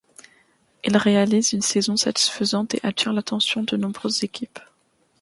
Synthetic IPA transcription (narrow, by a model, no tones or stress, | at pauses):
ilʁealizynsezɔ̃sat̪i̥sfəzɑ̃t̪ḛʔat̪ʰiʁlat̪ɑ̃sjɔ̃d̪ənɔ̃bʁøzːekʲʰip